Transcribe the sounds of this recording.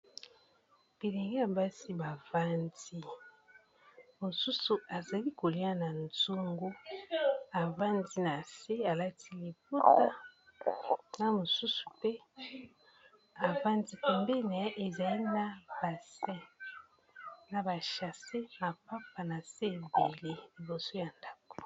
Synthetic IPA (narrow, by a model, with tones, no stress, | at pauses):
b̥i˨le˨ŋɡe˦a˨ba˦si˦ba˨va˦ndi˦ | mo˨su˦su˨ʔa˨za˨li˦ko˨li˦a˦na˨nzo˦ŋɡo˦ | a˨va˦ndi˦na˨se˦a˨la˦tʰi˦li˨po˦ta˦ | na˦mo˨su˦su̥˨pɛ˦ | a˨va˦ndi˦pɛ˨mbɛ˦na˨˦ʔe˨za˨li˦na˦ba˨sɛ̃˦ | na˨ba˨ʃa˨se˦na˨pa˦p̚a˨na˨se˦˨be˨le˦li˨bo˨so˦ja˨nda˦ko̥˨